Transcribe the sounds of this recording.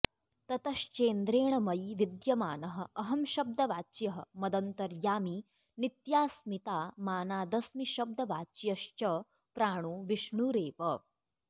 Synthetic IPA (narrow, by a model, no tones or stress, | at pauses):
t̪ɐt̪ɐʃt͡ʃeːnd̪ɾeːɳɐmɐjʋid̪jɐmaːnɐɦɐ̆ɐɦɐmʃɐb̚d̪ʱɐʋaːt͡ʃjɐɦɐ̆mɐd̪ɐnt̪ɐɾjaːmiː | nit̪jaːsmit̪aːmaːnaːd̪ɐsmiʃɐb̚d̪ʱɐʋaːt͡ʃjɐʃt͡ʃɐ | pɾaːɳ̃uːʋiʃɳuːɾeːpɐ